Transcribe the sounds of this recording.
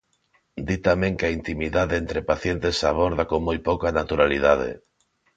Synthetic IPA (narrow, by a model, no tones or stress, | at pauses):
d̪it̪amẽŋkaint̪imiðaðeent̪ɾepaθjent̪esaβoɾðakoŋmojpokanat̪uɾaliðaðḛ